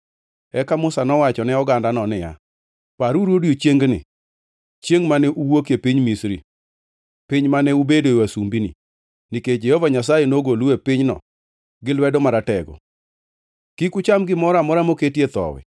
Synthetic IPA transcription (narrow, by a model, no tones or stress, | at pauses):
ɛkamʊsanɔwat͡ʃɔnɛɔɡandanɔnɪja̰ | paɾuɾwodjot͡ʃjeŋɡnɪ̰ | t͡ʃjeŋɡmanɛʔuwokepiɲmisɾḭ | pɪɲmanɛubedowasumbinḭ | niked͡ʒehɔvaɲas̬ajenoɡoluepɪɲnɔ̰ | ɡɪlwɛdɔmaɾatɛɡɔ̰ | kikʊt͡ʃamɡɪmɔɾamɔɾamoketjet̪ɔ̰wɛ̰